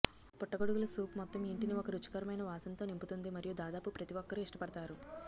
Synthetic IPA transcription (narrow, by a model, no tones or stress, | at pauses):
pɔʈːɐɡoɽuɡulɐsuːpmɔt̪ːɐmiɳʈiniɔkɐɾut͡ʃːɐ̥kɐɾɐmɐjnɐʋaːsɐnt̪o̞ːnimput̪und̪imɐɾijud̪aːd̪aːpupɾɐt̪iʋɔkːɐɾuiʂʈɐpɐɽɐt̪aːɾu